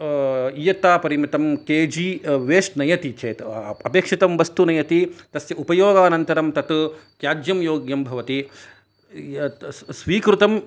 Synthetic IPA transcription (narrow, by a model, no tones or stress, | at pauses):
ijɐt̪aːpɐɾimɐt̪ɐmkeːd͡ʒiːʋeːʂʈnɐjɐt̪it͡ʃɐːt̪ɐpeːkʂit̪ɐmʋɐst̪unɐjɐt̪it̪ɐsjɐupɐjoːɡaːnɐnt̪ɐɾɐmt̪ɐt̪kjaːd͡ʒjɐmjoːɡjɐmbʱɐʋɐt̪i | sʋiːkɾut̪ɐm